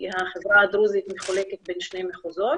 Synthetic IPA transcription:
haχevɾaad̪ɾuzit̪meχoleket̚benʃnejmeχozot̪

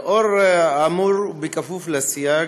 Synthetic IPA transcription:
ɔrɛamuɾbikʼafuflasija

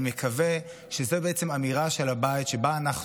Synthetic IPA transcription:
me̞kʰave̞ | ʃeze̞beet͡se̞mamiʁaʃe̞labaitʃe̞baːnaχ

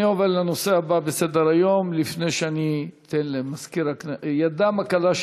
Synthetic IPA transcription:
io̞vedlano̞seababesed̪eʁajo̞mlifne̞jʃeanit̪enlemaskiɾakjad̪amakalaʃ

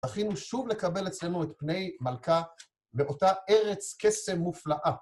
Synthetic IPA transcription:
aχinuʃuvle̞kabe̞let͡sle̞nuet̪pne̞jmalka | beʔo̞tae̞ʁe̞t͡ske̞se̞mːuflaʔa

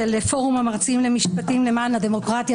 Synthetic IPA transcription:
elefo̞ʁumamaʁt͡simlemiʃpatimlemanad̪emo̞kʁat̪ja

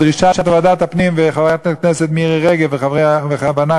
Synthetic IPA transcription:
dʁiʃaʃatavadatapnimvɪχavajatknɛsɛtmiiʁɛʁɛɡɛlvɪχavʁeaveχavana

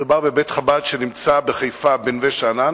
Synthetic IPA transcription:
ubaʁbebetχabadʃenimt͡sabeχajfabenveʃana

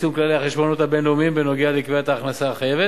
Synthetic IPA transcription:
sumklaliaχeʃbo̞not̪habenlomimbeno̞ɡealikveat̪aːχnasaːχajeve

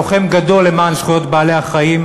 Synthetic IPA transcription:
oχemɡad̪o̞lːemaːnʃχujo̞t̪baːle̞haχaim

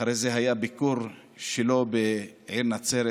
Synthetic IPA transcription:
aɾejzeɦajabikuɾ | ʃelo̞beʕiɾnat͡seɾ

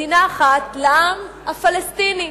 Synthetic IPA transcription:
inaːχat̪leʔamhafalest̪ini

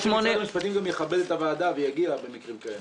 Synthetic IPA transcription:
ʃmonmiʃpat̪imɡamjeχabe̞det̪avaːd̪avejaɡiabe̞mikʁimkaem

